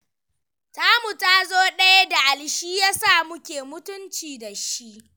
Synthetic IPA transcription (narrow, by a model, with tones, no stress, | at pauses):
taː˦mu˨ta˦zoː˦ɗɐ˦ja˦da˨ʔa˨lʃiː˦jaː˦saː˦˨mʊ˦kʲeː˨mʊ˦tʊ˦nt͡ʃiː˨da˨ʃi˦ʔ